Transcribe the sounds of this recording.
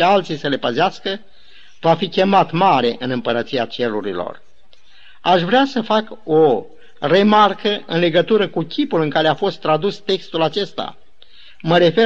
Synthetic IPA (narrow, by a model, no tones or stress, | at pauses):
ealt̪sijsəle̞pəzeaskə | vafikʲe̞mat̪maɾe̞ʔɨnɨmpəɾət̪siat͡ʃe̞ɾuɾḭlo̞̰r | aʃvɾeasəfako̞ | re̞markəʔɨnle̞ɡət̪uɾəkukʲʰipulɨŋkaɾeafo̞st̪ːɾad̪ust̪e̞kst̪ulat͡ʃe̞st̪a̰ | məɾe̞fe̞